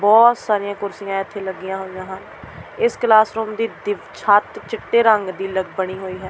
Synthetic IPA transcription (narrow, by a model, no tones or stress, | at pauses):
bɔːt̪saːɾɪjãːkʊɾsɪjãːɪt̪ʰːeːləɡːɪjãːɦoːɪjãːɦən | ɪsklaːsɾoːmd̪iːd̪ɪʋt͡ʃʰaːt̪t͡ʃɪʈːeːɾəŋɡd̪iːləɡbəɽ̃iːɦoːiːɦɛː